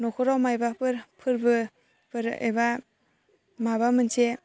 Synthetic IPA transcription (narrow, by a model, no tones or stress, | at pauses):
nɔkʰɔɾawmajbapʰɯɾpʰɯɾbɯ | pʰɯɾḛba | mabamɯnsʰe